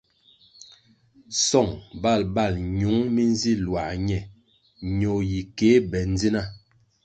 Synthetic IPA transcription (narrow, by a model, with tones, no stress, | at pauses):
sɔ˦˨ŋba˦˨lba˦˨lɲu˨˦ŋmi˦n˦zi˦˨lwa˨ɲɛ˦˨ | ɲo˨ji˨ke˨˦bɛ˨n̩˦d͡zi˦na˦˨